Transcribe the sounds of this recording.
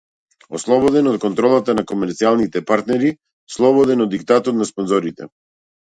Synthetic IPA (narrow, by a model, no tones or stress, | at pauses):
ɔslˠɔbɔd̪ɛnɔt̪̚kɔnt̪ɾɔlˠat̪anakɔmɛɾt̪sialˠnit̪ɛpaɾt̪nɛɾi | slˠɔbɔd̪ɛnɔd̪ikt̪at̪ɔt̪naspɔnzɔɾit̪ɛ̰